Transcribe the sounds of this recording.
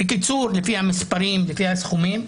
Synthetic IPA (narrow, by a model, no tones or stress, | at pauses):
bekit͡suɾlefihamispaɾimlefihasχumim